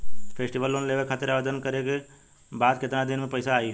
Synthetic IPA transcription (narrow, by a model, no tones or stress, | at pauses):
pʰeːsʈiʋəlːoːnleːʋekʰaːt̪ɪɾaʋed̪ənkɐɾeke | baːd̪kɪt̪nad̪ɪnmẽpɐɪsaːi